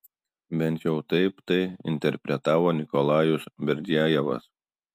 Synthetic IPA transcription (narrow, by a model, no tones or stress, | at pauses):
bʲɛnʲt̪ʲjɛʊt̪ɐɪpt̪ɐɪɪ̰nʲt̪ʲɛɾʲpʲɾʲɛt̪ɑːʋoːnʲɪkɔlˠɑːjʊsbʲɛɾʲd̪ʲɪæːjɛʋɐ̰s